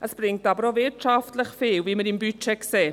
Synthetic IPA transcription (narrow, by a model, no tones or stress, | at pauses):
əsb̥rɪŋk̚d̥abrɔveːtʃaftləχfeːwviːməɾinbyt͡ʃʰɛkseː